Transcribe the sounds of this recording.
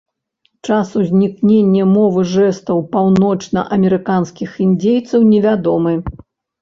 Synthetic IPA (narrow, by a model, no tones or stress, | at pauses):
t͡ʂasuzʲnʲiknʲenʲːɐmɔvɨʐɛst̪ɐwpawnɔt͡ʂnɐ̰ʔɐmʲɛɾɨkanskʲixind͡zʲejt̪sɐwnʲɛvʲad̪ɔmɨ